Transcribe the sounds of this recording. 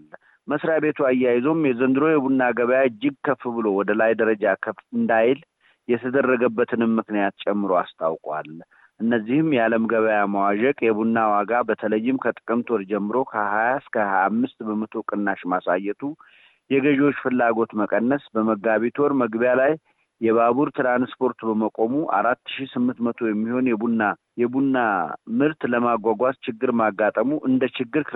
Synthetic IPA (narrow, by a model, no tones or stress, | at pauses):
l | məsɾjabe̞t̪ʰuajːajɪzomjɛzənd̪ɨɾo̞jɛbunːaɡəβəjaɨd͡ʒːɪɡ̚kʰəfːɨbɨlo̞wɔd̪əlajd̪əɾəd͡ʒakʰəfɨnd̪ajɪl | jɛt̪ʰəd̪ərːəɡəbːət̪ʰɨnɨmːɨknijat̪̚t͡ʃʼɛmːɨɾoast̪ʼʰawkʼwa̰l | ʔɨnːəzːihɨmjɛaləmɡəβəjamawaʒɛkʼjɛbunːawaɡabət̪ʰələjːɪmkʰət̪ʼɨ̥kʼɨmt̪ʰoɾd͡ʒɛmːɨɾo̞kʰəhajaskʰəhaamːɨst̪bəmət̪ʰokʼɨnːaʃmasajːɛt̪ʰu | jɛɡəʒɛwot͡ʃːfɨlːaɡo̞t̪məkʼənːəsbəməɡaβit̪ʰwɔɾməɡbjalajː | ɛβaβuɾt̪ʰɾanspʰo̞ɾt̪bəməkʼo̞muʔa̰ɾat̪ːɨ̥ʃisɨmːɨnt̪mət̪ʰo̞jɛmːiho̞njɛbunːa | jɛbunːamɨɾt̪ləmaɡʷaɡʷat̪t͡ʃɪɡːɨɾmaɡːat̪ʼəmuʔɨnd̪ət͡ʃɪɡːɨɾ